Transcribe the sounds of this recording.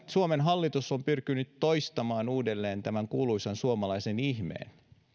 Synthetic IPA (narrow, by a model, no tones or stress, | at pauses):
suomenɦɑlːit̪usːompyrkynyt̪ːojst̪ɑmɑːnuːdelːeːnt̪æmæŋkuːluisɑnsuomɑlɑisenihmḛːn